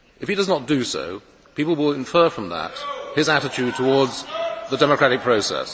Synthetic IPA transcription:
ɨfhidʌznət̚d̥ɨso̰ʊ | piˑplˠwɪlˠɪ̃ɱfɜːfɹʌ̃mðə̰t̚hɪzæɾɨt͡ʃʰʉd̚tʰəwɔɹdzðədɛməkʰɹ̥æɾɪk̚pʰɹ̥oʊsɛ̰s

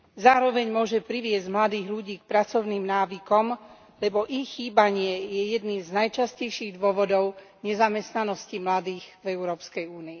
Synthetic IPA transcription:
zaːɾɔʋɛɲmʊɔʒɛpɾiʋɪɛzɟmlad̪iːɣʎuɟiːk̚pɾat͡sɔʊniːmnaːʋikɔm | lɛbɔʔixːiːbaɲɪɛjɛjɛd̪niːmznajt͡ʃascɛjʃiːɣd̪ʊɔʋɔd̪ɔʊ | ɲɛzamɛst̪nanɔscimlad̪iːɣvɛʊɾɔːpskɛjuːnii

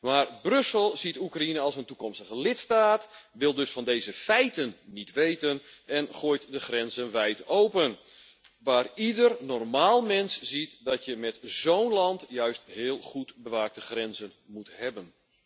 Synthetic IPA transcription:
maːrbrøsəlˠzitukrainəɑlˠsəntukɔmstəɣəlɪtstaːtʋɪlˠdøsfɑndejzəfɛjtənːitʋejtənɛnχoːjtdəxrɛnzənʋɛjtowpən | ʋaːridərnɔrmaːlˠmɛnsz̥itdɔtjəmɛtz̥oːwnlɑntjœɥsthɪːlˠχutbəʋaːk̚təχrɛnzənmuthɛbən

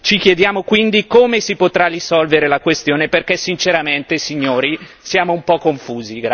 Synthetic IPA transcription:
t͡ʃik̟jed̪jaːmokwind̪ikomesipot̪ɾarisɔlveɾelakwest̪joːneperkɛsːint͡ʃeɾament̪esiɲːoːɾi | sjaːmoumpɔkːoɱfuːziɡɾ

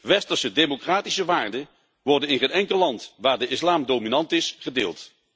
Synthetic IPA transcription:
ʋɛstəɹsədejmokraːtisəʋaːɹdə | ʋɔɹdənɪnχənɛŋkəlːɑntʋaːɹdəʔɪslaːmdominɑntɪsχədeːlˠt

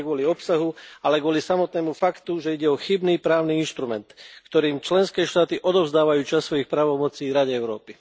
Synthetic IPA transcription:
ɡʊɔliɔpsaɦualɛɡʊɔlisamɔt̪nɛːmufakt̪uʒɛiɟɛɔxibniːpɾaːʊniinʃt̪ɾumɛnt̪kt̪ɔɾiːmt͡ʃlɛnskɛːʃt̪aːt̪iʔɔd̪ɔʊzd̪aːʋajuːt͡ʃasːʋɔjixpɾaːʋɔmɔt͡siːɾaɟɛɛʊɾɔ̰ːpi

